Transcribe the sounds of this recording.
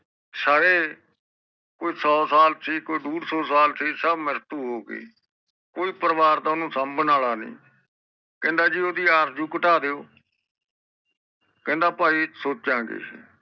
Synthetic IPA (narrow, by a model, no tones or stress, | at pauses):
saːɾeː | koːiːsɔːsaːlt̪ʰiːkoːiːɖuːɽsɔːsaːlt̪ʰiːsəbməɾt̪uːɦoːɡḛː | koːiːpəɾʋaːɾd̪aːʊnũːsəmbənaːlaːnḭ̃ː | kɛ̃ːnd̪aːd͡ʒiːoːd̪iːaːɾd͡ʒũːkəʈaːd̪eːoː | kɛ̃ːnd̪aːpaːiːsoːt͡ʃːãːɡḛː